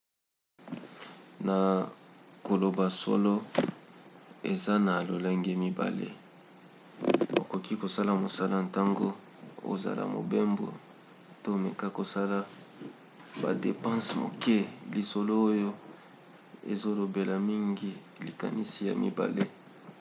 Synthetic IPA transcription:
na˨ | ko˨lo˨ba˨so̰˦lo˦ | e˨za˦na˨lo˨lɛ˦ŋɡe˦mi˦ba̰˨lḛ˦ | o̰˨ko˨ki˦ko˨sa˦la˨mo˨sa˦la˦n˨ta˦ŋɡo̰˦ | o̰˦za̰˨la̰˨mo̰˨be˦mbo̰˨ | to˦˨me˨ka˦ko˨sa˦la˦ | ba̰˨de˨pã˦smo̰˨ke˦li˨so˨lo˦o˦jo˦ | ḛ˨zo˦lo˨be˨la˨mi˦ŋɡi˦ | li˨ka̰˨ni˦si˦ja̰˨mḭ˦ba̰˨le˦

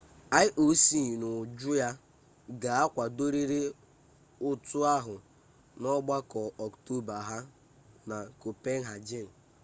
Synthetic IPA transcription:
a˦ɪ˦ʔo˦si˨nʊ˨d͡ʒʊ˦ja˦ | ɡa˨a˦kʷa˨do˦ɾi˦ɾe˦ | ʊ˦tʊ˦a˦ɦʊ˨ | nɔ˦ɡ͡ba˦kɔ˨ɔ˨kto˦ba˨ɦa˦ | na˨ko˨pe˦n̩˦ɦa˨d͡ʒɪ˦n̩˨

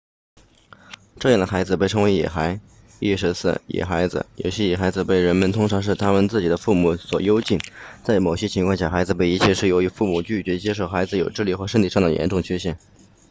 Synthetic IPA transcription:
ʈ͡ʂɤ˥˧jɛ˥˩nd̪ə˩xa˧˥ɪd͡zɹ̩˧pe˥˩ɪʈ͡ʂʰɤ˧˥ŋwe˧˥jɛ̰˨˩xa˧˥ɪ | i˥˩ʂɻ̩˧˥sɹ̩̰˥˩jɛ̰˨˩xa˧˥ɪd͡zɹ̩̰˧jo̰˨˩ʊɕjɛ˥jɛ˨˩xa˧˥ɪd͡zɹ̩˧pe˥˩ɪɻə˧˥nmə˧nt̪ʰʊ˥ŋʈ͡ʂʰɑ˧˥ŋʂ̬̩˥˩t̪ʰa˥mə˧nt͡sɹ̩˥˩t͡ɕi˨˩d̪ə˦fu˥˩mu˨˧˩swɔ˨˩jo˥ʊt͡ɕi˥˩nt͡sa˥˩ɪmo˨˩ɕjɛ˥t͡ɕʰi˧˥ŋʰkwɑ˥˧ŋɕja˥˩xa˧˥ɪd͡zɹ̩˧pe˥˩ɪi˧˥t͡ɕʰjɛ˥˧ʂɻ̩˥˩jo˧˥ʊy˧˥fu˥˩mu˨˩t͡ɕy˥˩t͡ɕɥɛ˧˥t͡ɕjɛ˥ʂo˥˩ʊxa˧˥ɪd͡zɹ̩˧jo˨˩ʊʈ͡ʂɻ̩˥˧li˥˩xwɔ˥˧ʂə˥nt̪ʰi˥˩ʂɑ˥˩ŋd̪ə˩jɛ̰˧˥nʈ͡ʂʊ˥˩ŋt͡ɕʰɛ˥ɕ̬jɛ˥˩n

